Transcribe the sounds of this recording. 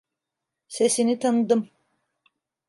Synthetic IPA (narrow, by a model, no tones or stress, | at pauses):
se̞sinit̪ʰanɯd̪ɯm